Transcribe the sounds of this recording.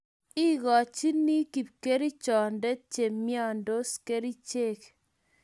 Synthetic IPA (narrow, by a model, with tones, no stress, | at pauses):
i˦ɣɔ˨t͡ʃi˦ni˦ki˨p̚ke˦ɾi˦t͡ʃɔ˨ndɛ˦t͡ʃe˨mjɔ˦˨ndo˦ske˦ɾi˦t͡ʃe˦˨k